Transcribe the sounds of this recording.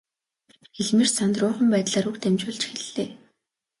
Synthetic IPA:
xeɮmeːrsant̪rʊːχə̆mpæːt̪ɮaːɾukt̪ʰemt͡ɕʊːɮt͡ɕxeɮːeː

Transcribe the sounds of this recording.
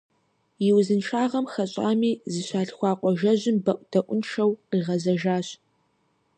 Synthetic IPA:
jɪwzɨnʂʰaːʁɐmxɐɕʼa̰ːmiːzɨɕʷaːɮxʷɑːqʷʼɔʒɐʑɪmbɐʔʷd̥ɐʔʷʊnʂɐwqiːʁɐzɐʒaːɕ

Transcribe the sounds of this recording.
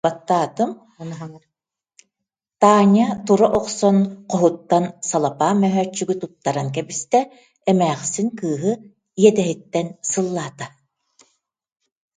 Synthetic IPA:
b̥at̪ːaːt̪ɯm | t̪aːɲat̪uɾɔʔɔqsɔnqɔɦut̪ːansalˠapaːmœɦœːt͡ʃːyɡyt̪ut̪ːaɾaŋk̬ɛbist̪ɛ | ɛmæːχsinkɯːɦɯ | ijɛt̪ɛɦit̪ːɛnsɯlˠːaːt̪a

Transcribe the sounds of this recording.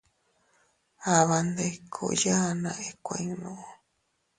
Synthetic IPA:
aβand̪ajkʰo̰janã̰ʔekʷa̰iŋnõʔo

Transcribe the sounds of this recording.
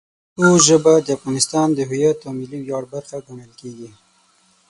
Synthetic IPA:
t̪oʒəbad̪əafɣɑnɪst̪ɑnd̪əɦʊjat̪awmɪliwjɑɽbaɾxaɡaɳəlkeɡi

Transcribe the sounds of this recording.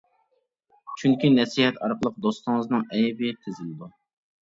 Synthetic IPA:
t͡ʃʰyŋkʲinɛsiɦɛt̪ɑɾqəlˠəq̚d̪ost̪ɨŋəznɨŋɛjbɪt̪ʰɪzɪlɪd̪u

